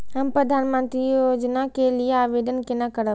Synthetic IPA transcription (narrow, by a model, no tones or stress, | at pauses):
ɦɐmpɾɐd̪ʱaːnmə̃nt̪ɾioːd͡ʑənakʰeliaːʋeɖənkʰenakɐɾə